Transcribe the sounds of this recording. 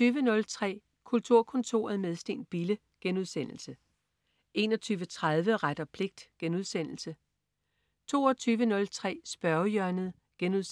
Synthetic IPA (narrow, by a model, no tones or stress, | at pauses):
yːʋənɔ̽lt͡sʰʁɛ̰ː | kʰult͡sʰuɐ̰kʰɔ̽nt͡sʰo̝ːɐð̩ˠmeð̞ˠsd̥e̝̰ːnb̥ilə | ɡ̥enuðˠsen̰l̩sə | e̝ːnɒt͡sʰyːʋət͡sʰʁað̞ˠʋəʁad̥ɐpʰle̝ɡ̥̚d̥ɡ̥enuðˠsen̰l̩sə | t͡sʰo̝̰ːɒt͡sʰyːʋənɔ̽lt͡sʰʁɛ̰ːsb̥ɶɐʊjœɐnəð̩ˠ | ɡ̥enuðˠs